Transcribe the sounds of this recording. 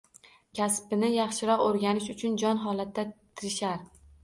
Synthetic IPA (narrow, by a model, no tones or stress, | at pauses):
kʲʰaspɪnɪjɑχʃɪɾɒqoɾɡʲanɪʃʊt͡ʃʰʊnd͡ʒɒnɦɒlat̪ʰːat̪ʰɪɾɪʃaɾ